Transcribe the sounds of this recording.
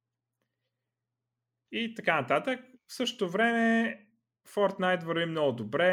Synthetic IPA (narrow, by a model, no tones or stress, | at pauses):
it̪ɐkanɐt̪at̪ək̚fsɤʃt̪t̪ovɾɛmɛ | fɔɾt̪najt̪vəɾvimnɔɡʊd̪obɾɛ